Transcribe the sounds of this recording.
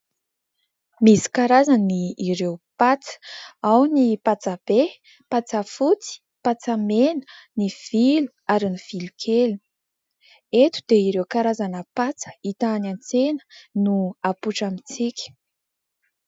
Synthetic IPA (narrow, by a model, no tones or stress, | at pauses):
misi̥kaɾazaniːɾewpat͡sə̥awnipat͡sab̥e | pat͡safut͡si̥ | pat͡samenəniv̥ilu̥aɾiniv̥ilukʰelu | et̪u̥d̪eiɾewkaɾazanəpat͡sə̥it̪anant͡senə̥nuapuʈ͡ʂamit͡sikʲə̥